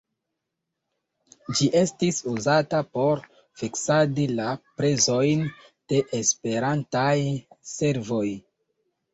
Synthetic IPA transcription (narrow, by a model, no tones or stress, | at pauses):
d͡ʒiʔe̞stisuzatapo̞ɾ | fiksadilapɾe̞zo̞jn | d̥e̞ʔespe̞ɾantajse̞ɾvo̞j